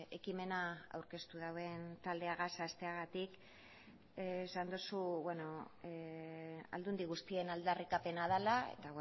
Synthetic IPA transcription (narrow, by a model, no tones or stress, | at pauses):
e̞kime̞naa̰wɾke̞st̪uðawe̞nt̪ald̪e̞aɣasast̪e̞aɣat̪ik | eːsand̪osuβwe̞no̞ | a̰ld̪und̪iɣust̪ie̞nald̪arikape̞naðalae̞̰t̪a